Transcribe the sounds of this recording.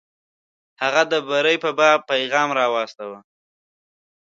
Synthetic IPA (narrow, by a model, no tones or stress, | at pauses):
haɣad̪əbaɾəjpəbɑpajɣɑmɾɑwɑst̪awa